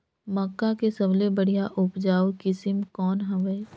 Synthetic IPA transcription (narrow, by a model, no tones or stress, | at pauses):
mɐkːakesɐblebəɽ̤ijaʔʊpd͡ʒaːokɪsɪmkɔːnɦɐ̃ʋəe